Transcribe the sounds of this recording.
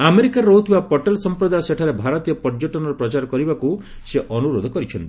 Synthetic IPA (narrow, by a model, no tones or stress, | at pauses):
ameɾikaɾot̪ʰibapɔʈelsɔmpɾɔd̪ajɔseʈʰaɾebʱaɾɔt̪ijɔpɔd͡ʒoʈɔnɔɾɔpɾɔt͡ʃaɾɔkɔɾibakuseʔɔnuɾod̪ʱɔkɔɾit͡ʃʰɔnt̪i